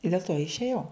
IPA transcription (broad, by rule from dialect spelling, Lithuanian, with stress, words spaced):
ɪ dʲeːlˠ toː ɪʃʲeːˈjɛʊ